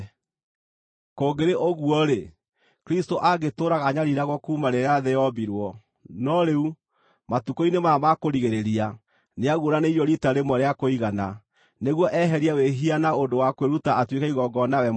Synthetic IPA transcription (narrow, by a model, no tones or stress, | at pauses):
koɡeɾeʔoɣwɔɾe | kɾistoʔaɡetoɾaɣaɲaɾiɾaɣwɔkuːmaɾeaðɛjɔbiɾwɔ | nɔɾeu | matukoinemamakoɾiɣeɾeɾia | neaɣoɾaneijɔɾitaɾemɔɾeakoiɣana | neɣwɔʔɛɦɛɾiaweɦianaondowakweɾutaatwekaiɣɔɡɔnawɛ